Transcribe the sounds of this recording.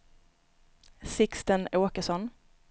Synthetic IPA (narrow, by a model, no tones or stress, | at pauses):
sɪkst̪ənoːkəsɔn